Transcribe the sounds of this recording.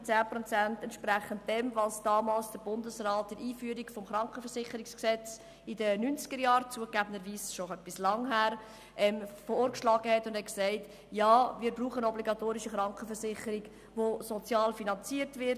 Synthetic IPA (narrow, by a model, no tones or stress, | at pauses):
t͡sæːpɾɔt͡sæntɛntʃpɾæχənt̚dɛmvɑsd̥ɑːmɑːlsd̥əɾb̥ʊndəsrɑːt̚d̥əɾiːfyːəɾiɡfɔmχɾɑŋkχəfɛrsɪχəɾiksksɛt͡s | ɪdənynt͡sɡ̥əɾjɑːɾt͡suːəkɡæbəndəɾʋiːsʃoœpːislɑŋɦæːɾ | ʔɛmfooːɾkʃlɑːɡəhɛtʊnd̥hɛtksɛɪt | jɑːmɪːɾbruːχənɔbliɡɑtoːɾiʃiχɾɑŋkχəfəɾsɪχəɾiɡ | ʋosɔt͡sjɑːlfinɑnt͡siəɾtvɪɾ